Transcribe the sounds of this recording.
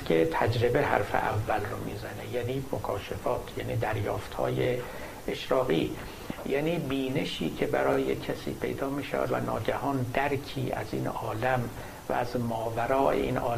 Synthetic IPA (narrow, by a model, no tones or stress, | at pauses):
kʰet̪ʰæd͡ʒɾe̞beɦæ̰ɾfḛʔævːælromḭːzænejæːniːmokʰɒːʃefɒːt̪ʰjæːniːd̪æɾjɒːft̪hɒ̰ːje | eʃɾɒːɣḭː | jæːniːbiːne̞ʃiːcʰebæɾɒːjecʰæsḭːpʰe̞jd̪ɒːmiːʃæ̰væ̰d̪væ̰nɒːɟæhɒːnd̪æɾkʰiːʔæ̰ziːnɒːlæm | væ̰æzmɒːvæɾɒːʔḛʔḭːnʔɒː